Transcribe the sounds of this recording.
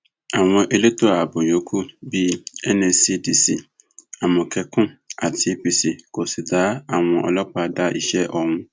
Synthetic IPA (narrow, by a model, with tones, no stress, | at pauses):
a˨w̃ɔ̃˧ʔe˨le˦to˦a˨bo˨jo˨˦kʰu˦bi˦ɛ˦nẽ˨si˦di˨si˨ | a˨mʊ̃˨kʰɛ˨kʊ̃˦a˨tʰi˦pi˨si˨ko˨si˨daː˨˦a˨w̃ɔ̃˧ʔɔ̰˨lɔ˦k͡pa˨da˦ʔi˨ʃɛ˦ʔɔ˨ŋʊ̃˦